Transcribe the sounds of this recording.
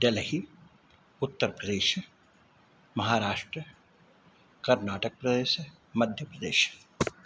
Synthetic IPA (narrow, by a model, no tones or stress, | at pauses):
ɖelhi | ʊt̪ːəɾpɾəd̪eːʃ | mɐɦaːɾaːʃʈɾə | kɐɾnaːʈək̚pɾəd̪eːʃ | mɐd̪ʱjəpɾəd̪eːʃ